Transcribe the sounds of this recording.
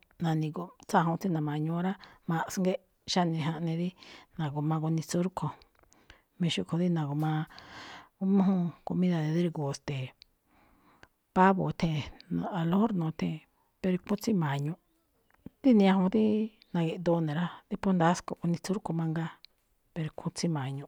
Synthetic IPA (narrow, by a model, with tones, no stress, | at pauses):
nã˧nĩ˧ko˧t͡sa˦˧ɦõ˧t͡si˦nã˨mã˨ɲũ˧˦˧ɾa˦mã˧ʔsŋɡe˦ | ʃa˦nĩ˧˨ɦã˧ʔnẽ˧ði˦nã˨ko˧mã˧ku˧nĩ˧t͡su˦ɾkʰo˧ | mĩ˧ʃu˧kʰo˧ði˦nã˨ko˨mã˧ | u˧˦mũ˦ɦũ˦ko˧mĩ˦ða˧˨ðe˧ði˦ɾku˨st̪e˨ | pa˦βo˨˧t̪ʰẽ˦˧˨nã̰˧a˧lo˦ɾnõː˨˧t̪ʰẽ˧˨ | pe˧ɾkũ˦t͡si˦mã˨ɲũ˧ | t̪i˦nĩ˧ã˧hõ˧˦t̪i˦ | nã˧ɣe˧ʔd̪o˧˦˧nẽ˨ɾa˦t̪i˦po˦nd̪a˦sko˧˨ku˧nĩ˧t͡su˦ɾko˧mã˧ŋɡa˦ | pe˧ɾkʰũ˧t͡si˦mã˨ɲũ˧